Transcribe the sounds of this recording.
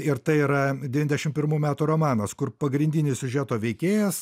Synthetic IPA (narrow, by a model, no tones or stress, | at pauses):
ɪɾt̪ɐɪiɾɐdʲɛʋʲɪnʲd̪ʲɛʃʲɪmtpʲɪɾmuːmʲæːt̪uːɾoːmɑːnɐskʊɾpɐɡɾʲɪnʲd̪ʲɪnʲɪssʲʊʒʲæt̪oːʋʲɛɪkʲeːjɛs